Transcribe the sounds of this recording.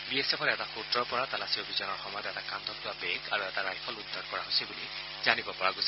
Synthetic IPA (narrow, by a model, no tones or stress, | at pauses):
biesepʰɔɹɛtaxutɹɔɹpɔɹatalasiobʱizɔnɔɹxɔmɔjɔtɛtakant̪ɔk̚tuabɛŋkaɹuɛtaɹajpʰɔlud̪ʱːɔɹkɔɹaɦosibuli | zanibɔpɔɹaɡosi